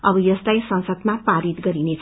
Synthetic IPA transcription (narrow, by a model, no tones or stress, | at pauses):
ʌbʌjʌst̪ajsʌ̃nsʌd̪mapaɾit̪ɡʌɾinet͡sʰ